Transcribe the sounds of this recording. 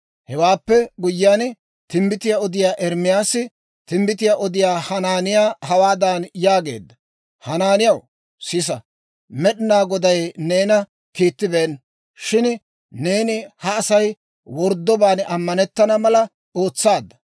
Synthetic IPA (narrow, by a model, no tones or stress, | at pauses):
hɛwaːpːɛɡʊjːɪjaːn | t̪ɪmbɪt̪ɪjaɔd̪ɪjaːʔɛɾmɪjaːsɪ | t̪ɪmbɪt̪ɪjaʔɔd̪ɪjaːhɐnaːnɪjaːhɐwaːd̪anjaːɡe̞̰ːd̪ːɐ | hɐnaːnɪjɐw | sɪs̬ɐ | mɛɗɪnaːɡɔd̪ɐjne̞ːnɐ | kiːt̪ːɪbeːn | ʃɪn | ne̞ːnɪhɐːsɐj | wɔɾd̪ːɔbaːnɐmːɐnɛt̪ːɐnɐmɐlɐ | oːt͡sːaːd̪ːɐ̥